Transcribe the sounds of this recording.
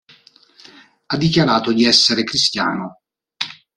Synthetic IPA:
ad̪ːikjaɾaːt̪od̪iɛsːeɾekɾist̪ja̰ːno

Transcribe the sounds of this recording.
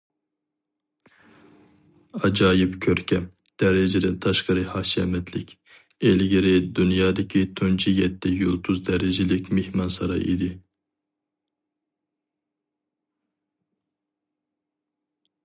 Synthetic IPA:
ɑd͡ʒɑːjipkʲʰøɾkʲʰɛ | d̪̥ɛɾɛd͡ʒɪd̪ɛnt̪ʰɑʃqɑɾɨhɑʃɛmɛt̪ʰlɪkʲ | ɛlɡʲiɾɪd̪ynjɑːd̪ɪkʲʰit̪ʰønt͡ʃʰijɛt̪ʰːɛjolˠt̪ʰuzd̪ɛɾɛd͡ʒɪlɪkʲmehmɑnsɑɾɑ̰ʔḭd̪ɪ

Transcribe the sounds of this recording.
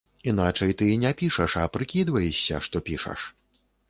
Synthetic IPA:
in̪at͡ʂɐjt̪ɨnʲɛpʲiʂɐʂɐpɾɨkʲid̪vɐjɛʂsʲɐʂt̪ɔpʲiʂɐ̰ʂ

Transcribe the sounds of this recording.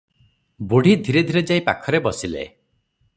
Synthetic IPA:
boɽ̤id̪ʱiɾed̪ʱiɾed͡ʒaipa̰kʰɔɾebɔsilḛ

